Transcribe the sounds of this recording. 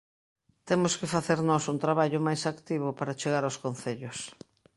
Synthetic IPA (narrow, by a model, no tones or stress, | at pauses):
t̪emʊskɪfaθeɾnɔsunt̪ɾaβaʎʊmajsakt̪iβ̞ʊpaɾat͡ʃeɣaɾawskon̟θeʎʊs